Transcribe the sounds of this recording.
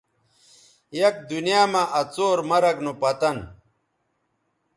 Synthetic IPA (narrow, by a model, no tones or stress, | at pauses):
jɐk̚d̪unijaːmaʔɐt͡soːɾmɐɾɐɡnopɐt̪ɐn